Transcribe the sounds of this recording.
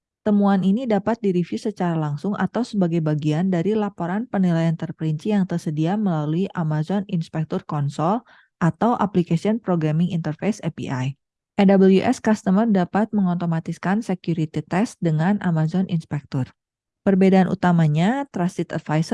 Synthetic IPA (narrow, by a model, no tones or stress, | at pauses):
t̪əmuaninidapat̪̚diɾifjusət͡ʃaɾalaŋsʊŋʔa̰t̪awsəbaɡajbaɡiandaɾilapoɾanpənilajant̪ərpəɾiɲt͡ʃijaŋt̪ərsədiaməlaluiʔamazɔninspɛk̚t̪ɔrkɔnsɔl | ʔat̪awʔaplikasiɔnpɾoɡɾamɪŋint̪ərfejsɛpḭaj | ʔɛdabəljuʔɛ̰skast̪əmərdapat̪̚məŋot̪omat̪iskansekjuɾit̪it̪ɛsdəŋanʔamazɔnʔḭnspɛk̚t̪ɔr | pərbedaːnʔṵt̪amaɲat̪ɾasit̪a̰t̪̚fajs